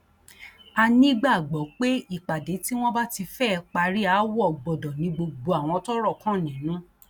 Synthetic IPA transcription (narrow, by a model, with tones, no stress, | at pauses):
a˧nĩ˦ɡ͡ba˦˨ɡ͡bɔ˨˦k͡pe˦i˦˨k͡pa˨de˨˦ti˦w̃ɔ̃˦ba˦ti˧fɛ˦˧k͡pa˧ɾi˦a˨˦wɔ˦˨ɡ͡bɔ˨dɔ̃˨nĩ˨˦ɡ͡bo˧ɡ͡bo˧a˨w̃ɔ̃˧tɔ˦ɾɔ˦˨kã˦˨nĩ˨˦nũ˦